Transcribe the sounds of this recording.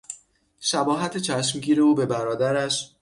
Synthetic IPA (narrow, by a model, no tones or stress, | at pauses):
ʃæbɒːɦæt̪ʰet͡ʃʰæʃmɟiːɾe̞uːbe̞bæɾɒːd̪æɾæʃ